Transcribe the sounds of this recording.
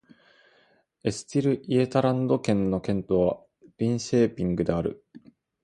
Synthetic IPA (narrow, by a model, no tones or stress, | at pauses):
e̞sɨ̥t̪ʲiɾɯ̟ʔiet̪aɾãnd̪o̞kẽ̞nːo̞kẽ̞nt̪o̞βa | ɾʲĩɰ̃ɕeːpʲĩŋɡɯ̟d̪e̞aɾɯ̟̰